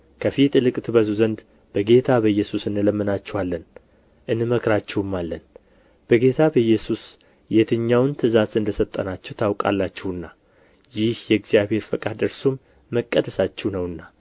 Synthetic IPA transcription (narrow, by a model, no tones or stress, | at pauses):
kʰəfit̪ʼlɨkʼt̪ʰɨbəzuzənd̪ | b̥əɡe̞t̪ʰabəjːɛsusɨnɨləmːɨnat͡ʃːɛwalːən | ʔɨnːɨməkɾat͡ʃːɛwɨmːalːən | b̥əɡe̞t̪ʰabəjɛsus | jɛt̪ʰɨɲːawnt̪ʰɨzazɨnd̪əsət̪ʼːənat͡ʃːɛwt̪ʰawkʼa̰lːat͡ʃːɛwɨnːa | jɪhjɛɡzijaβhe̞ɾfəkʼad̪ɨɾsumː | əkʼːəd̪əsat͡ʃːɛwnəwɨnːa